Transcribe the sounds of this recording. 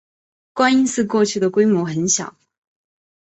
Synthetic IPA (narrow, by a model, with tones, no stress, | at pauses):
kwa˥ni˥nsɹ̩˥˧kwɔ˥˧t͡ɕʰy˥˩d̪ə˩kwe˥ɪmwɔ˧˥xə˧˥nɕjɑ̰˨˩˦